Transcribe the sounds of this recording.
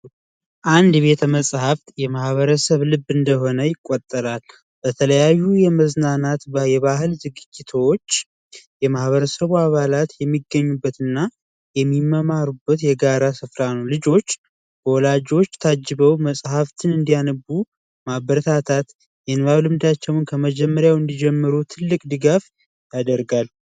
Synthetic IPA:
ʔand̪βe̞t̪ʰəməsʼhaft̪jɛmahβəɾəsəβlɨbːɨnd̪əɦo̞nəjɪkʼːot̪ʼːəɾal | bət̪ʰələjajːujɛməznanat̪bjɛβaɦɨlzɨɡɨd͡ʒːɪt̪ʰwot͡ʃː | jɛmahβəɾəsəβuaβalat̪jɛmːiɡːəɲːubːət̪ɨnːa | jɛmːimːəmaɾubːət̪jɛɡaɾasɨfɾanəwlɨd͡ʒo̞t͡ʃː | b̥əwɔlad͡ʒo̞t͡ʃːt̪ʰad͡ʒːɨβəwməsʼhaft̪ʰɨnɨnd̪ijanɨbu | mabəɾət̪ʰat̪ʰat̪ | jɛnɨβawlɨmd̪at͡ʃːɛwnkʰəməd͡ʒɛmːəɾjawɨnd̪id͡ʒɛmːɨɾut̪ʰɨlːɨkʼd̪ɨɡaf | jad̪əɾɡal

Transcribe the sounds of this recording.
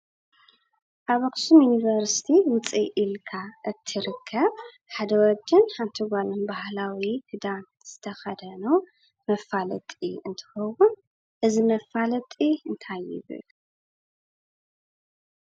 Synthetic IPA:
ʔaβɐxsumjunivɐɾsi̥t̪ʰiwʊt͡sʼiʔilkʰaʔɨt̪ʰːɨɾɨkʰːɐβ | ħad̪ɐwɔd͡ʒɪnħant̪ʰiɡalɐnbahlawihʰɨd̪an | z̥ɨt̪ʰɐxɐd̪ɐno | mɐfalɐt̪ʼḭɨnt̪ʰɨ̥xɐwun | ʔɨzimɐfalɐt̪ʼiɨnt̪ʰajɪ̰βɨ̰l

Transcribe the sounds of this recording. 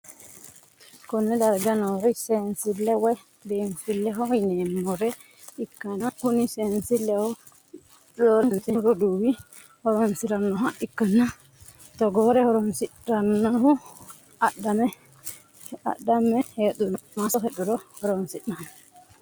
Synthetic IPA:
kɔnːɛdaɾɡanɔɾɔjsɛnsilːɛwɛ | densilːɛɦɔinɛmɔɾɛ | ikːanakunisɛnsilːɛhɔ | ɗɔɾnsiɾɔduwi | hɔɾɔnsiɾanːɔhaʔikːana | tɔɡɔɾɛhɔɾɔnsiɾanːahu | aɗːamɛ | a̰ɗːamɛheɗunmasɔɦeɗuɾɔhɔɾɔnsiɗnahu

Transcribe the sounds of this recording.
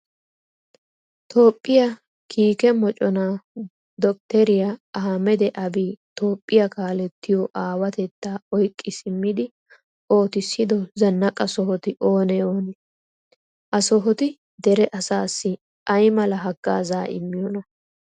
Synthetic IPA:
t̪ʰo̞ːpʼːɪjɐ | kʰiːkɛmɔt͡ʃʼɔna | d̪ɔk̚t̪ɛɾɪjaɐhɐmɛd̪ɛʔɐbiːt̪o̞ːpʼːɪjɐkaːlɛt̪ːɪjɔʔaːwɐt̪ɛt̪ːaɔjkʼːɪsɪmːɪd̪ɪ | ʔo̞ːt̪ɪsːɪd̪ɔzɐnːɐkʼɐsɔɦɔt̪ɪʔo̞ːnɛjoːnɛ | ʔɐsɔɦɔt̪ɪ | d̪ɛɾɛʔɐsaːsːɪ | ʔɐjmɐlɐɦɐɡːa̰ːzaːʔɪ̰mːɪjɔnɐ

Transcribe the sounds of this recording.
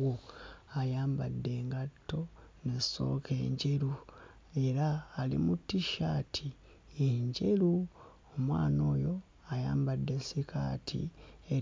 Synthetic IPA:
oajaːmbadːe̞ːŋɡatːo̞neso̞̰ːkʰe̞ːɲɟe̞ɾu | e̞ɾaːlḭmutːiʃaːtʰi | eɲɟe̞ɾu | omwa̰ːno̞ːjo̞ | ajaːmbadːe̞sikʰa̰ːtʰḭe

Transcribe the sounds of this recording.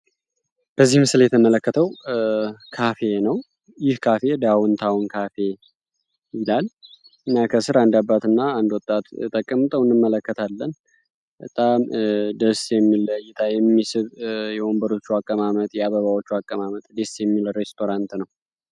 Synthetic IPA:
b̥əzːihmɨsljɛt̪ʰəmələkːət̪ʰəw | kʰafe̞nəw | jɪhkʰafe̞d̪awɔnt̪ʰawʊnkʰafe̞ | jɪlal | ɨnːakʰəsɨɾand̪abːat̪ɨnːaːnd̪wɔt̪ʼːat̪t̪ʼəkʼːəmt̪ʼəwɨnːɨmmːələkːət̪ʰalːən | bət̪ʼamd̪əsjɛmːiləjɪt̪ʰajɛmːisɨβjɛwombəɾo̞t͡ʃːuakʼːəmamət̪ʼjɛaβəβawo̞t͡ʃːuakʼːəmamət̪ʼd̪esjɛmːilɾe̞st̪ʰo̞ɾant̪nəw

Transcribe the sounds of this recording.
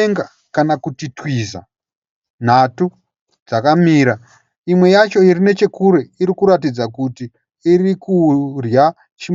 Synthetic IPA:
ŋɡa | kanakutitwiza̰ | n̤atu | d͡zakamiːɾa | imwe̞jat͡ʃo̞iɾine̞t͡ʃe̞kuɾe̞iɾikuɾatid͡zakuti | irikurja | t͡ʃi

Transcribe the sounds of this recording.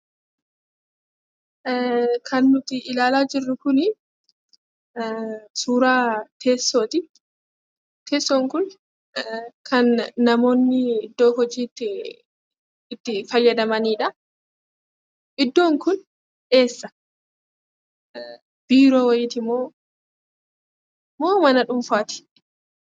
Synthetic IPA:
kʰɐnːʊt̪ɪɪlaːlaːd͡ʒɪrːʊkʊnɪ | suːɾaːt̪ʰe̞ːsːo̞ːt̪ɪ | t̪ʰe̞ːsːoːŋkʊn | kʰɐnːɐmo̞ːnːɪɪd̪ːo̞ːɦɔd͡ʒiːt̪ːɪ | ɪt̪ːɪfɐjːɐd̪ɐmɐniːᶑɐ | ʔɪd̪ːo̞ːŋkʊn | ᶑe̞ːsːɐ̥ | b̥iːɾo̞ːwɐjɪt̪ɪmoː | moːmɐnɐᶑʊmfaːt̪ɪ̥

